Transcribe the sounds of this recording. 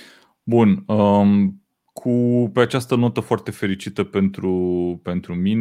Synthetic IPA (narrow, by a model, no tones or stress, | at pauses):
bunəm | kʰupe̞at͡ʃast̪əno̞t̪əfoart̪e̞fe̞ɾit͡ʃit̪əpe̞nt̪ɾupe̞nt̪ɾumin